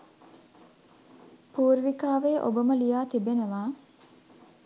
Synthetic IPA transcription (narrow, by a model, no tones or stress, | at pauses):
puːɾʋikaːʋeːʔo̰bəməlijaːt̪ibenəʋaː